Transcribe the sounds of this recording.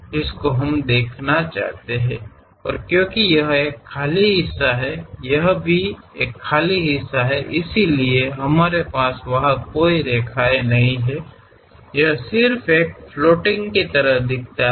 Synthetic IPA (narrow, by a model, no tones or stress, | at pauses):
d͡ʒɪskoɦɐmd̪eːkʰnat͡ʃa̰ːɦt̪eɦɛ̃ː | ɔ̰ːɾkjõːkijɐɦeːkʰːaːliɦɪsːaɦɛjɐɦbʱi | eːkʰːaːliɦɪsːaɦɛʔɪsilieɦɐmaːɾepaːsʋɐɦakoːiɾeːkʰaːenɐɦĩɦɛ | jɐɦsɪɾfʰeːk̚floːʈɪ̃ŋɡkit̪ɐɾəɦd̪ɪk̚ʰt̪a